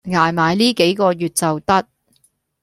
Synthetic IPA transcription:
ŋaː˨jmaː˨˧jliː˥ke˨˥jkɔː˧jyː˨t̚t͡sɐ˨wt̪ɐ˥t̚

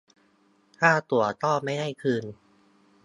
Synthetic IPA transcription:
t̪ʰaː˥˩t̪u˨˩ɐt̪ɔː˥˩ma˥˩jda˥˩jkʰɯː˧n

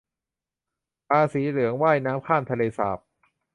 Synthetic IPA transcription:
paː˧siː˩˦lɯ˩˦əŋwaː˥˩jnaː˦˥mkʰaː˥˩mt̪ʰa˧leː˧sa̰ː˨˩p̚

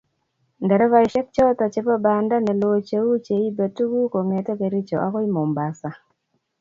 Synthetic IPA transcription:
ndɛ˨ɾɛ˦va˨i˨ʃɛ˦k̚t͡ʃɔ˦ta˨t͡ʃe˦pa˦ba˨nda˦nɛ˨lo˨t͡ʃe˦wu˦t͡ʃe˨i˦ba˨tu˦ɡu˦ko˨ŋɛ˨tɛ˦ke˨ɾi˦t͡ʃɔ˨ʔa˦kɔ˦i˦mɔ˨mba˨sa˨

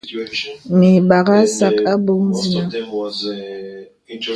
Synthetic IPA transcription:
mi˨ɓa˨ɣa˦sa˦˨ka˦bo˦n̩˦zi˦na˦

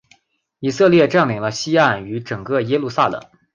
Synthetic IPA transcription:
i˨˩sɤ˥˧ljɛ˥˧ʈ͡ʂa˥˩nli˨˩ŋlə˧ɕi˥a˥˩ny˧˥ʈ͡ʂɤ˨˩ŋkɤ˥˩jɛ˥lu˥˧sa̰˥˩lɤ̰˨˩˦ŋ

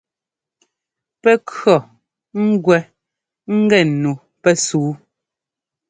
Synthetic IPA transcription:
pɛ˦kɰɔ˨ | ŋ̩˦ɡwɛ˦ | ŋ̩˦ɡɛ˨nu˨ | pɛ˦suː˨˦

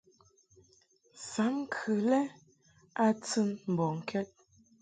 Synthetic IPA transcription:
sa˨˦m˦kʰʉ˨lɛ˦ | a˦t͡sɨ˦nm̩˨bɔ˨ŋ̩˨kʰɛ˦t̚

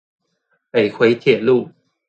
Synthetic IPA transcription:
e˨˩ɪkʰwe˨˦ɪt̪ʰjɛ˨˩lu˥˨

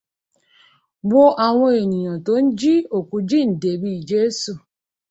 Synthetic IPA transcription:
wo˦ʔa˨w̃ɔ̃˧e˨nĩ˨j̃ã˨to˨˦n̩˦d͡ʒi˦o˦˨ku˧˦d͡ʒi˦˨n̩˨de˨bi˦i˨d͡ʒe˦su˦˨

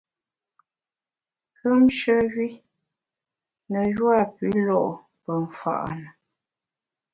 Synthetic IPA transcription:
kə˦mʃə˦ɣi˦ | nə˨jwa˦˨pi˨˦lɔ˦ʔ | pə˨ɱ˨fa̰˦˨ʔnə˨

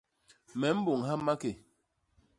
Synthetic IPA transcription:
mɛ˨˦m̩˦bo˨ŋɦa˦ma˦ke˨

